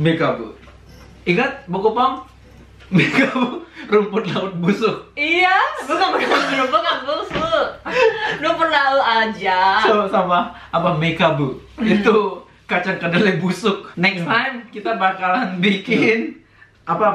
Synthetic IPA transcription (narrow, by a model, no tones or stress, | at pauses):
mekabṵ | iŋat̪̚bokopaŋ | mekaburumpʊt̪̚laʊt̪̚busʊk̚ijaɡukamakat̪asɾupokabusʊ | nupərlaʊt̪ad͡ʒasosamaː | pamekabu | it̪u | kat͡ʃaŋkədalɛbusʊk̚nɛkst̪ajmkit̪abakalanbikɪn | ʔapa